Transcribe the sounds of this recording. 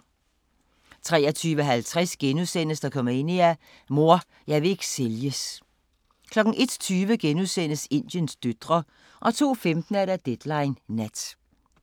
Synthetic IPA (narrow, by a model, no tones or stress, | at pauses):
t͡sʰʁɛːɐt͡sʰyːʋəɦælt͡sʰʁasɡ̥enuðˠsen̰əsd̥ɑ̈kʰɒ̽m̰ɐe̝n̰iæ | mo̝ɐ̰ | jɑ̈ɪʋe̝e̝ɡ̥ə̥seljəs | kʰlɒ̽ɡ̥n̩ʔe̝d̥t͡sʰyːʋəɡ̥enuðˠsen̰əse̝n̰d̥jənsd̥ød̥ʁɐ | ʔɒ̽t͡sʰo̝̰ːfemd̥n̩æɐɾæd̥ed̥lɑ̈ɪnːæd̥